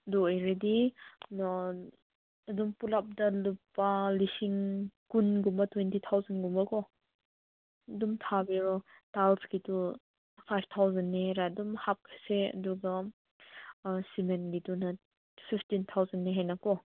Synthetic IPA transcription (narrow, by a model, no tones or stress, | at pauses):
dɔejɾedi | ɐdumpulap̚dɐlupːalisiŋkunɡumbɐtwentit̪ʰawzɐnɡumbɐkɔ | dumtʰabeɾɔtalskitu | pʰajb̚t̪ʰawzɐnːeɾadumhap̚kʰaseɐ̰duɡa | simenɡitunɐ | pʰipʰtint̪ʰawzɐnːeɦenakɔ